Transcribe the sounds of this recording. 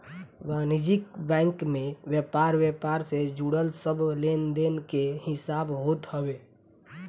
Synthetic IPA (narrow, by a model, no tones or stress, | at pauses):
ʋanid͡ʒikbɛ̃ŋkmeʋjepaɾʋjepaɾsed͡ʒuɽəlsəblend̪enkehɪsaːbɦot̪həbe